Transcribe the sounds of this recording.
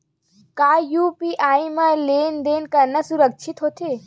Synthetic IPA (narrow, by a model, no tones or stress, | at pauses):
kaːjuːpiʔaːimɐleːnd̪eːnkɐɾnəsuɾəkʃʰit̪ɦot̪ʰeː